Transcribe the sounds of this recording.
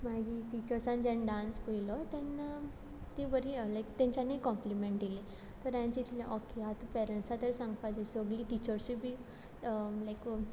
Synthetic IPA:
maɡit̪it͡ɕəɾsãnd͡ʑɛ̃nɖãnspuilɔt̪ɛnːa | t̪ibəɾilajkt̪ɛ̃ɲt͡ɕanikɔ̃mplimẽɳʈd̪ile | t̪əɾjãɲt͡ɕit̪leʔɔkeɦat̪upɛɾeɳʈsat̪əɾsãŋɡpad͡zesoɡlit̪it͡ɕəɾsibʱi | lajk

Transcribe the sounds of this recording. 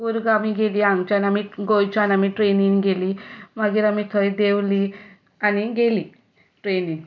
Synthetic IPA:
uɾɡamiɡeliaŋɡt͡ʃanamiɡojt͡ʃʰanamiʈɾeniŋɡelimaɡiɾamit̪ʰəjd̪ewli | aniɡeli | ʈɾeniŋ

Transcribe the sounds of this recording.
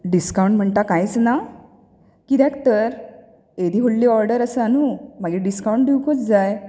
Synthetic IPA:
ɖiskawɳʈm̤əɳt̪akajt͡sna | kid̪ɛ̃kʰt̪əɾ | ed̪iːɦolliːɔɾɖəɾəsəanumaɡeɖiskawɳʈ̚d̪iwkot͡sd͡zaj

